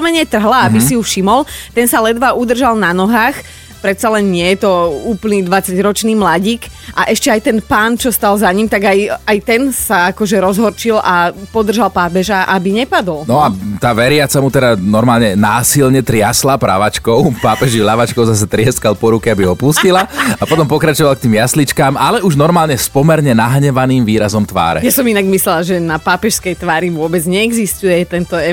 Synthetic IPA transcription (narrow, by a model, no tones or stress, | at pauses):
mɛɲɪɛt̪r̩ɦlaabisijufʃimɔlt̪ɛnsalɛd̪ʋaʔud̪r̩ʒalnanɔɦaːx | pɾɛt̪t͡salɛnɲɪɛjɛt̪ɔuːplniːd̪ʋat͡saɟɾɔt͡ʃniːmlaɟiːkʔaʔɛʃcɛajt̪ɛnpaːnt͡ʃɔst̪alzaɲimt̪aɡajajt̪ɛnsaakɔʒɛɾɔzɦɔɾt͡ʃilapɔd̪r̩ʒalpaːpɛʒaʔabiɲɛpad̪ɔlnɔat̪aːʋɛɾɪat͡samut̪ɛd̪anɔɾmaːlɲɛnaːsilɲɛt̪ɾɪaslapɾa̰ʋat͡ʃkɔʊpaːpɛʒilaʋat͡ʃkɔʊzas̬ɛt̪ɾɪɛskalˠpɔɾukɛabiɦɔpuscilaapɔt̪ɔmpɔkɾat͡ʃɔʋalk̚t̪iːmjaslit͡ʃkamʔalɛʔuʒnɔɾmaːlɲɛspɔmɛɾɲɛnaɦɲɛʋaniːmʋiːɾazɔmt̪ʋa̰ːɾɛ̰jasɔminaɡmislɛlaʒɛnapaːpɛʃskɛjt̪ʋaːɾiʋʊɔbɛd͡zɲɛɛɡzist̪ujɛt̪ɛnt̪ɔɛ